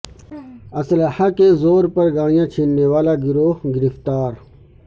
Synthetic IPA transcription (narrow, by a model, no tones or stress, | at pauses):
ɐslahakezoːɾpɐɾɡãːijãːt͡ɕʰinːewaːlaɡiɾoːɡɪɾift̪aːɾ